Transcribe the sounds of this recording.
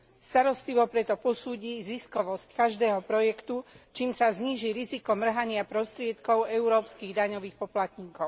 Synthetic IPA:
st̪aɾɔst̪liʋɔpɾɛt̪ɔpɔsuːɟiːziskɔʋɔsckaʒd̪ɛːɦɔpɾɔjɛkt̪ut͡ʃiːmsazɲiːʒiɾizikɔmr̩ɦaɲɪapɾɔst̪ɾɪɛt̪kɔʊɛuɾɔːpskiːɣd̪aɲɔʋiːxpɔplat̪ɲiːkɔʊ

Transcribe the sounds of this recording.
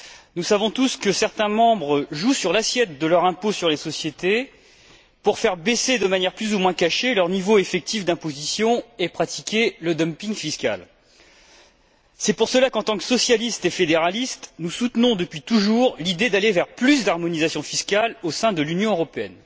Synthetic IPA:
nusavɔ̃t̪uskəsɛʁt̪ɛ̃mɑ̃bʁəʒusyʁlasjɛt̪̚d̪əlœʁɛ̃posyʁlesɔsjet̪e | puʁfɛʁbesed̪əmanjɛʁplyzumwɛ̃kaʃelœʁnivoefɛk̚t̪ifd̪ɛ̃pozisjɔ̃epχat̪i̥kʲeləd̪ɔmpiŋfiskʲa̰l | sɛpuʁsəlakɑ̃t̪ɑ̃ksɔsjalist̪efed̪eʁalist̪nusut̪nɔ̃d̪əpɥit̪uʒuʁlid̪ed̪alevɛʁplys̬d̪aʁmɔnizasjɔ̃fiskʲalosɛ̃d̪əlynjɔ̃øʁɔpeɛ̰n

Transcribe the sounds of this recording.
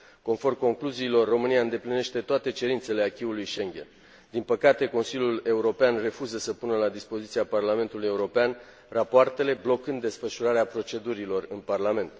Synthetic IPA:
ko̞nfo̞rmko̞ŋkluziːlo̞rːo̞mɨniaɨnd̪e̞pline̞ʃt̪e̞t̪oat̪e̞t͡ʃe̞ɾint̪se̞le̞akʲiulujʃe̞ŋɡʲe̞̰n | d̪inpəkat̪e̞ko̞nsilʲjule̞uɾo̞peanre̞fuzəsəpunəlad̪ispo̞zit̪siaparlame̞nt̪uluje̞uɾo̞pean | rapoart̪e̞le̞blo̞kɨnd̪ːe̞sfəʃuɾaɾeapɾo̞t͡ʃe̞d̪uɾilo̞rɨnparlame̞nt̪

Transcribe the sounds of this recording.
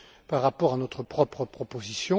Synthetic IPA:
paʁːapɔʁanɔt̪χəpχɔpχəpχɔpozisjɔ̃

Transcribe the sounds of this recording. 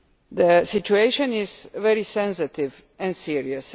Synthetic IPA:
d̪əsit͡ʃueʃə̃nizvɛɾisɛ̃nsɪt̪ɪv | ɛ̃nsiɹiəs

